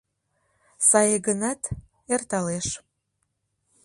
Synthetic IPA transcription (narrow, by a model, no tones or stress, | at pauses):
sɑjəɡənɑt̪ | ert̪ɑleʃ